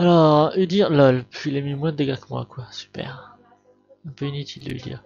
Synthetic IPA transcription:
alɔʁyd̪iʁlalpilɛmymwɛ̃d̪əɡakəmwa̰kwasy̥pɛ̰ʁ | ɛ̃pøinit̪ʰild̪ə̰y̰d̪ḭʁ

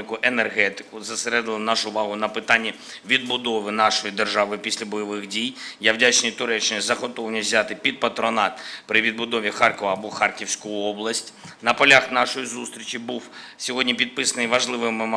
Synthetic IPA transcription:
ɪkʊʔenerɦɛt̪ɪ̥kʊzɐseɾɛd̪ɪlˠɪnɑʃʊːʋɑɦʊnɐpɪt̪ɑnʲːi | ʋʲid̪̚bʊd̪ɔʋɪnɑʃɔjid̪erʒɑʋɪpʲisʲlʲɐbɔjɔʋɪxdʲijjawdʲat͡ʃnʲijt̪ʊɾɛt͡ʃːɪnʲizɐɦɔt̪ɔwnʲizʲat̪ɪpʲid̪̚pɐt̪ɾɔnɑt̪pɾɪʋʲid̪̚bʊd̪ɔʋʲixɑrkɔʋɐːbɔxɑrkʲiwsʲkʊjʊɔblˠɐsʲtʲ | nɐpɔlʲaxnɑʃɔjizust̪ɾʲit͡ʃibuwsʲɔɦɔdʲnʲipʲid̪̚pɪsɐnɪjʋɐʒlˠɪʋɪmɪm

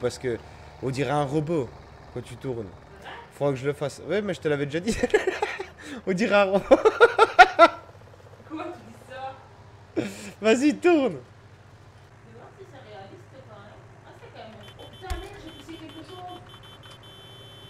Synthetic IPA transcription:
paʁsə̥kə | ɔ̃d̪iʁaɛ̃ʁəbo | kɑ̃t̪yt̪uʁn | fwakəʒələfaswɛmɛʒət̪əlavɛd̪eʒad̪i | ɔ̃d̪iʁaɛ̃ʁəbo | kwat̪yd̪isa | vazit̪uʁn | d̪əwasisɛʁealist̪əpaʁɛ | asɛkɑ̃mɛmɔ̃pyt̪ãmɛʒekisekʲɛlkəzo

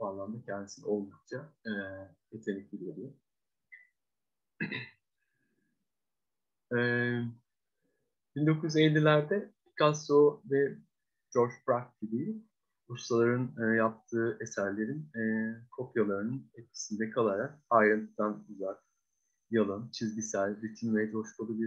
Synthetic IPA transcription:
balːˠand̪acʰɛnd̪isino̞lˠd̪uk̚t͡ʃʰa | et̪ʰe̞nʲiclʲibʲeɾi | ɛː | b̥ind̪o̞kʰujyzelʲːilʲæɾd̪ɛ | kʰasovɛ | d͡ʒo̞ɾd͡ʒbɾakid̪ij | ust̪alˠaɾɯnɯjap̚t̪ʰɯːʔesæɾlʲe̞ɾinːkʰo̞pjalˠaɾɯnɯnɛt̪̚cʲʰi̥sind̪ɛkʰalˠaɾak̚ajɾɯnt̪ʰɯd̪anuzak | jalˠɯnt͡ʃʰizɟisælʲɾit̪ʰinvɛd͡ʒoʃkʰalˠabi

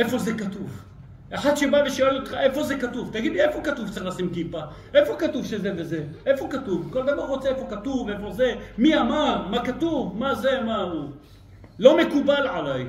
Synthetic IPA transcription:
ʔefo̞zekat̪uv | ʔeħad̪ʃebaveʃoelot̪χaʔe̞fo̞zekatuvt̪aɡid̪liefokat̪uvt̪t͡sailasimkipa | ʔefo̞katuvʃezevezeʔefokat̪uvko̞ld̪avaʁːot͡seefokat̪uvefo̞zemiamaʁmakat̪uvmazemau | lo̞me̞kubalʕalaj

